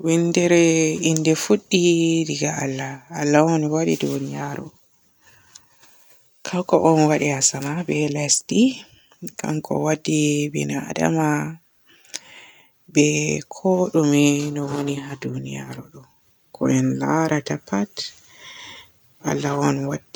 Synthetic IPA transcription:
windɛɾɛindɛfuɗːidiɡaalːaːlːawɔnwaɗḭdunijaɾɔ̰ | kʰawkɔʔɔnwaɗihasamabɛlasdi | kʰa̰mkʰɔ̰wadːibɛ̰naa̰da̰ma | bɛkʰɔɗuminɔwonihadunija̰ɾɔɗɔ | kʰɔ̰ʔɛnlaɾʔatapːat | ʔa̰lːawɔnwadːi

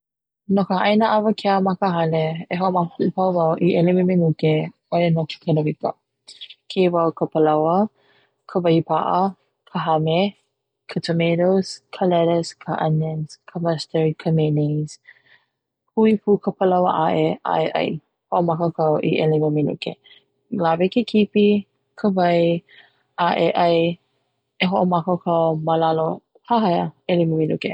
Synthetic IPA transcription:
nokəɐjnəʔɐvɐkʰeamɐkəɦɐleeɦoʔmɐkpukɐwvɐwʔiʔelememenuke | oenoke̥kʰənəvikə̰ | kʰevɐwkʰəpəlɐwə | kʰəvɐipaʔɐ | kʰəɦɐme | kʰətʰomeɾoskʰəlɛɾəskʰaʔɐnənskʰəmastəɹkʰəmenez̥ | huipʰukʰəpəlɐwəʔaʔeʔa̰ʔeʔɐ̰j | hoʔomɐkokʰɐwʔḭʔeliməmilṵkḛ | lavekʰekʰipi | kʰəvɐj | ʔaʔeʔɐj | eɦoʔomɐkokʰəwmalalo | haɦɐjəeliməmilṵke

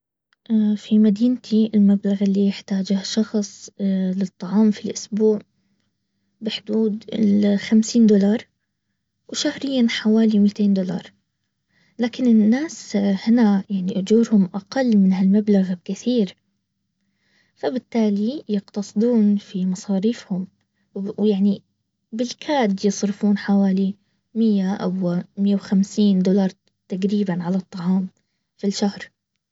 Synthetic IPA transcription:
ʔafimad̪iːnt̪ʰiɪlmablaɣɪlːijɪħt̪aːd͡ʒahʃɑxsˤlɪt̪ˤːɑʕɑːmfilʔʊsbuːʕ | bɪħʊd̪uːd̪ɪlxamsiːnd̪ʊlɑːɾˤ | wʃahɾɪjːanħawaːlimiːt̪eːnd̪ʊlɑ̰ːɾˤ | laːkɪnɪnːaːshɪnajaʕniʔʊd͡ʒuːɾhʊmʔaqalːmɪnhalmablaɣab̚kɪθiːɾ | fabɪt̪ːaːlijɪqt̪ɑsˤɨd̪ˤuːnfimɑsˤɑːɾiːfhʊm | wjaʕni | bɪlkʰaːd̪jɨsˤɾɪfuːnħawaːli | mɪjːaʔa̰wmɪjːawxamsiːnd̪ʊlɑɾˤ | t̪aɡɾiːbanʕalɑt̪ˤːɑʕɑːm | filʃahɾ

